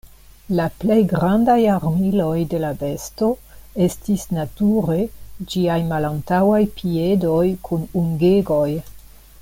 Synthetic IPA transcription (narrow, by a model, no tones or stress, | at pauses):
laple̞jɡɾandajaɾmilo̞jde̞lave̞sto̞ | e̞stisnatuɾe̞d͡ʒiajmalantawajpʰie̞do̞jkʰunuŋɡeɡo̞j